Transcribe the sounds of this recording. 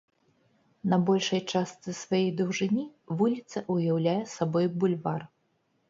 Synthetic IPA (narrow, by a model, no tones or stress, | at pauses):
nɐbɔlʲʂɐjt͡ʂast̪sɨsvajɛjd̪uwʐɨnʲivulʲit̪sɐʔujawlʲajɛsabɔjbulʲvar